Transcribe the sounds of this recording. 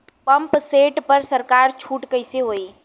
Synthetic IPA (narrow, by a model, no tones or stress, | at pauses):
pəmpseʈpəɾsəɾkaːɾt͡ʃʰuːʈkəɪseɦoːi